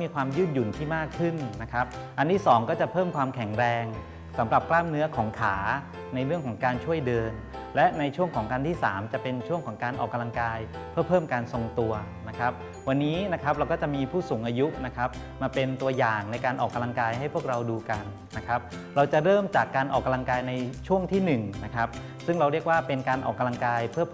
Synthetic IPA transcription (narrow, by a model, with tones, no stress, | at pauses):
miː˧kʰwaː˧mjɯː˥˩n̚ju˨˩nt̪ʰiː˥˩maː˥˩kʰːɯ˥˩nna˦˥kʰa˦˥p̚ | ʔa˧nt̪ʰiː˥˩sɔː˩˦ŋkɔː˥˩t͡ɕa˨˩pʰɤː˥˩mkʰwaː˧mkʰɛ˩˦ŋɾɛː˧ŋ | sa˩˦mɾa˨˩p̚klaː˥˩mnɯ˦˥ɐkʰɔː˩˦ŋkʰaː˩˦ | na˧jɾɯ˥˩əŋkʰɔː˩˦ŋkaː˧nt͡ɕʰu˥˩əjdɤː˧n | lɛ˦˥na˧jt͡ɕʰu˥˩əŋkʰɔː˩˦ŋka˧nt̪ʰiː˥˩saː˩˦mt͡ɕa˨˩pe˧nt͡ɕʰu˥˩əŋkʰɔː˩˦ŋkaː˧nʔɔː˨˩kːa˧la˧ŋkaː˧j | pʰɯ˥˩ɐpʰɤː˥˩mkaː˧nso˧ŋt̪u˧ɐ | na˦˥kʰa˦˥p̚ | wa˧nːiː˦˥na˦˥kʰɾa˦p̚ɾa˧wkɔː˥˩t͡ɕa˨˩miː˧pʰuː˥˩su˨˩˦ŋʔaː˧ju˦˥na˦˥kʰa˦˥p̚ | maː˧pe˧nt̪u˧ɐjaː˨˩ŋna˧jkaː˧nʔɔː˨˩kːa˧la˧ŋkaː˧jhɦa˥˩jpʰu˥˩ək̚ɾa˧wduː˧ka˧nːa˦˥kʰa˦˥p̚ | ɾa˧wt͡ɕa˨˩ɾɤː˥˩mt͡ɕaː˨˩kːaː˧nʔɔ̰ː˨˩k̚ːa˧la˧ŋkaː˧jna˧jt͡ɕʰu˥˩əŋt̪ʰiː˥˩nɯ˨˩ŋna˦˥kʰa˦˥p̚ | sɯ˥˩ŋɾa˧wɾi˥˩ək̚waː˥˩pe˧nkaː˧nʔɔː˨˩kːa˧la˧ŋkaː˧jpʰɯ˥˩ɐp